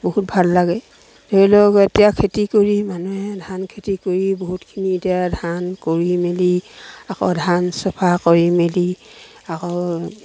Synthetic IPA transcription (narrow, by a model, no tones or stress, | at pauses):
bɔɦut̚bʱalːaɡɛ | teilɔɡetijakʰetikoɹimanuɛdʱankʰetikoɹibɔɦutkʰinietijadʱankoɹimeliakɔ̰dʱansɔpʰakoɹimeli | akɔ